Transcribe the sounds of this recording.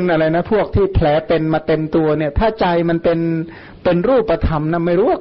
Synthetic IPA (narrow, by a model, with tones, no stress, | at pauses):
nʔa˧ɾa˧jna˦˥pʰu˥˩ək̚t̪ʰiː˥˩pʰlɛː˩˦˥pe˧nmaː˧t̪e˧mt̪u˧ɐni˥˩ɐt̪ʰaː˥˩t͡ɕa˧jma˧npe˧n | pe˧nɾuː˥˩pːa˧t̪ʰa˧mna˦˥˩ma˥˩jɾuː˦˥wa˥˩